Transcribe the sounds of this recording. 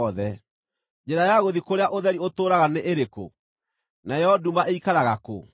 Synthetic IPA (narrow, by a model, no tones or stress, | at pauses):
ðɛ | d͡ʒɛɾajaɣoðikoɾeaʔoðɛɾiotoːɾaɣaneʔeɾeko̰ | najɛɔdumaʔeikaɾaɣako̰